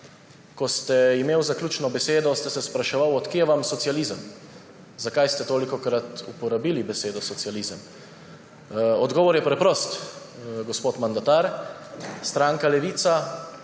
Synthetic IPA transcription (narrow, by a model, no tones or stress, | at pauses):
kɔst̪ɛimeːwzakljuːt͡ʃnɔbɛseːd̪ɔst̪ɛsɛspɾaʃɛʋawɔt̪keɛʋamsɔt̪sijalizəm | zakajst̪ɛt̪oːlikɔkɾat̪upɔɾabiːlibɛseːd̪ɔsɔt̪sializəm | ɔd̪ɡɔːʋɔɾjɛpɾɛpɾɔːst̪ | ɡɔspoːt̪mand̪at̪aɾ | st̪ɾaːŋkalɛʋiːt̪sa